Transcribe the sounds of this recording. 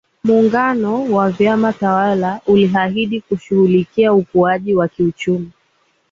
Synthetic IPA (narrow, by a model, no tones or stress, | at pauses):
muːŋɡanɔwavjamatawalauliɦahiɗikuʃuhulikiaukuaʄiwakiut͡ʃumi